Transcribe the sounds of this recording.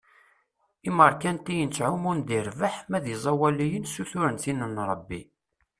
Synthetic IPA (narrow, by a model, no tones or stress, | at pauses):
iməɾˤkænt̪ijənt͡sʕumʊnd̪iɾvəħmæðizˤɑwælijənsuθʊɾənθinənɾˤəbːi